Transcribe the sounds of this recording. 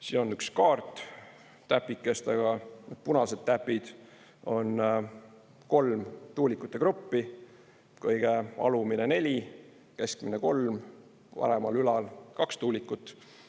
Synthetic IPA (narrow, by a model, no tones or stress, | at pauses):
siːno̞nykskɑːrt̪ˑː | æpːˑikːˑe̞st̪ɑɡ̥ɑnet̪̚punɑse̞d̪̥t̪æpːid̪̥ | o̞n | ko̞lmt̪uːlikːˑut̪ːˑe̞kɾupːi | kɤjɡ̥eɑ̰luminene̞lʲi | keskmineko̞lm | pɑ̰ɾemɑlylɑlkɑkst̪uːlikːˑut̪ːˑ